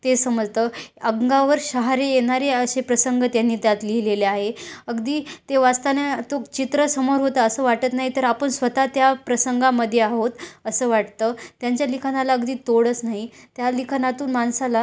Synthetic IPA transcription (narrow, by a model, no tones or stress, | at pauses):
t̪esəməd͡zt̪əəɡɡaʋəɾɕəɦaɾejeɽ̃aɾeəɕepɾəsəŋɡət̪janːiːt̪jat̪lileleaɦeəɡd̪iːt̪eʋast̪anet̪okt͡ɕit̪ɾəsəmoɾɦot̪əːsəːʋaʈət̪naɦit̪əɾapəɳsʋət̪at̪japɾəsəŋɡaməd̪ʱːjeaɦot̪əsəːʋaʈt̪ət̪jaɲt͡ɕjalikʰanalaəɡd̪iːt̪oɽət͡snaɦit̪jalikʰanat̪uːnmansala